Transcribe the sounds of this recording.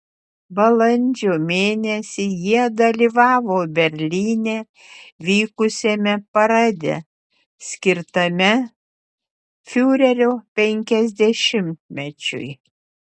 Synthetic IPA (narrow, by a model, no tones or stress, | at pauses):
bɐlˠɐnʲd͡ʒʲoːmʲeːnʲɛsʲɪjiɛd̪ɐlʲiʋɑːʋoːbʲɛɾʲlʲiːnʲeː | ʋʲiːkʊsʲemʲɛpɐɾɑd̪ʲɛ̰ | sʲkʲɪɾt̪ɐmʲɛ | fʲuːɾʲɛɾʲoːpʲɛŋʲkʲɛzʲd̪ʲɛʃʲɪmʲt̪ʲmʲɛt͡ʃʲʊ̰j